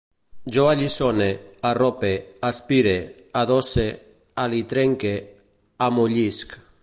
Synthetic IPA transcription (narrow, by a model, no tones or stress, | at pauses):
d͡ʒoaʎisonearɔpeaspiɾe | aðose | alit̪ɾeŋke | amuʎisk